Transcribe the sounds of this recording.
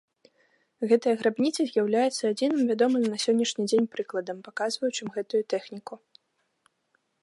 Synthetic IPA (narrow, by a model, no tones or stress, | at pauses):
ɣɛt̪ɐjɐɣɾabnʲit̪sɐzʲjawlʲajɛt̪sːɐːd͡zʲinɨmvʲad̪ɔmɨmnɐsʲɔnʲːɐʂnʲid͡zʲenʲpɾɨklˠɐd̪ɐmpakazvɐjut͡ʂɨmɣɛt̪ujut̪ɛxnʲiku